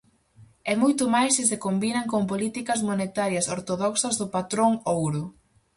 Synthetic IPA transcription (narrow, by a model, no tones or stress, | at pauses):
ɛmojt̪ʊmajsɪsɪkombinɐŋkoŋp̬olit̪ikɐzmonet̪aɾjɐsoɾt̪oðɔksɐzðʊpat̪ɾoŋowɾʊ